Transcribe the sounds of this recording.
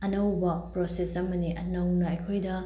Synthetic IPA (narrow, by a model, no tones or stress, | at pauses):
ɐnɐwbɐpɾosesɐmɐniʔɐnɐwnɐɐjkʰojdɐ